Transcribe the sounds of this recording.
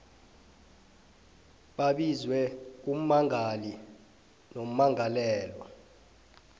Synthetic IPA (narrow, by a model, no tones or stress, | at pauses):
ɓaɓizwɛk̬um̩maŋʱali | nom̩maŋalɛːlwa̰